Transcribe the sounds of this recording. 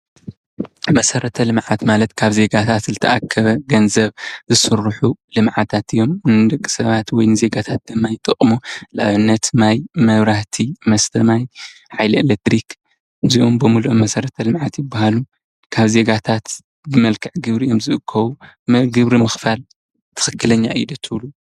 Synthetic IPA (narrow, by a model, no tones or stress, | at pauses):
mɐsɐɾɐt̪ʰɐlɨmʕat̪malɐt̪kʰaβze̞ɡat̪ʰat̪zɨt̪ʰɐʔakʰːɐβɐɡɐnzɐβzɨsɨɾːħulɨmʕat̪ʰat̪ɨjːo̞mnɨd̪ɐkʼːi̥sɐβat̪wɔjnɨze̞ɡat̪ʰat̪̚d̪̥ɐmːajt̪ʼɨχʼmolaʔaβɨnːɐt̪najmɐβɾaht̪ʰimɐst̪ʰɐmaj | ħajlɐelet̪ɾik | ɨziʔombɨmuluʔmɐsɐɾɐt̪ʰɐlɨmʕat̪jɪbːahalu | kʰaβze̞ɡat̪ʰat̪ | bɨmɐlkʰɐʕɡɨβɾijo̞mzɨʔɨkʰːɐwumɡɨβɾimɨxfal | t̪ʰɨ̥xɨkːɨlɐɲːaʔid̪ɐt̪ʰɨβlu